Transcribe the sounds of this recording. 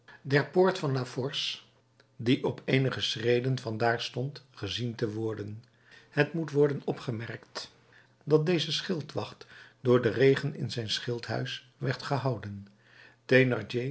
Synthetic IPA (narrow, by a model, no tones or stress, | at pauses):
dɛɹpʊːɹtfɑnlafɔɹs | diʔɔpejnəχəsrejdənvɑndaːɹstɔntχəzintəʋɔɹdən | hətmutʋɔɹdənɔpχəmɛɹkt | dɑt̚dejzəsχɪlˠtʋɑχtdʊːɹdərejχənɪ̰nzɛjnsχɪlˠtɦœ̰ɥs | ʋɛɹtχəɦɑwdən | tenɑɹd͡ʒe